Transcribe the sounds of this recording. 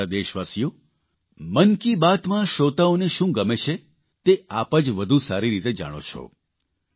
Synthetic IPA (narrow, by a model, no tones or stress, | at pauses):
ad̪eʃʋasijo | mənkibat̪mãʃot̪aoneʃũɡəmet͡ʃʰe | t̪eapəd͡ʒʋəd̪ʱusaɾiɾit̪ed͡ʒa̰ɽ̃o̰t͡ʃʰo̰